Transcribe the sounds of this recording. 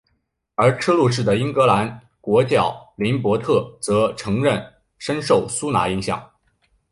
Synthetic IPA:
ə˞˧˥ʈ͡ʂʰɤ˥lu˥˧ʂ̬ɻ̩˥˩d̪ə˩i˥nkɤ˧˥la˧˥n | kwɔ˧˥t͡ɕjɑ˥˩ʊli˧˥npwɔ˧˥t̪ʰɤ˥˩t͡sɤ˧˥ʈ͡ʂʰɤ˧˥ŋɻə˥˩n | ʂə˥nʂo˥˩ʊsu˥na̰˧˥i˧˥ŋɕjɑ̰˥˩ŋ

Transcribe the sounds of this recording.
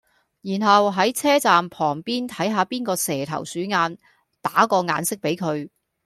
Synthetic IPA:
jiː˨˩nɦɐ˨wɦɐ˨˥jt͡sʰɛː˥t͡saː˨mpʰɔː˨˩ŋpiː˥nt̪ʰɐ˨˥jɦaː˧piː˥nkɔː˧sɛː˨˩t̪ʰɐ̰˨˩wsyː˨˥ŋaː˧n | t̪aː˨˥kɔː˧ŋa̰ː˨˧nsɪ˥k̚pe˨˥jkʰɵ˨˧ɥ

